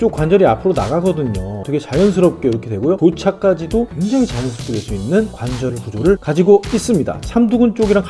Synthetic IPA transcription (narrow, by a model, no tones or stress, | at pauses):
t͡ɕ͈okwand͡ʑʌɾiapʰɯɾona̰ɡaɡʌdɯɲot̪ʰʌkʰet͡ɕajʌns̬ʰɯɾʌp̚k͈e̞iɾʌkʰe̞dwe̞ɡojotot͡ɕʰak͈ad͡ʑidokwe̞ŋd͡ʑaŋit͡ɕajʌnsʰʌpk͈edeɭs͈uinːɯnkwand͡ʑʌɾipud͡ʑoɾɯɭkad͡ʑiɡois͈ɯmɲida̰t͡ɕʰamduɡunt͡ɕ͈oɡiɾaŋ